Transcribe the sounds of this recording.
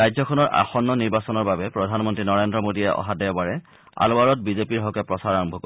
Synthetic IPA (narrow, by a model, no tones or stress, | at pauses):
ajzɔkʰɔnɔɹʔa̰xɔnːɔniɹbasɔnɔɹbabɛpɹɔdʱanmɔntɹinɔɹendɹɔmodijɛʔɔ̰ɦadɛɔbaɹɛ | a̰loaɹɔt̚bizepiɹɦɔkɛpɹɔsaɹaɹɔmbʱɔkɔ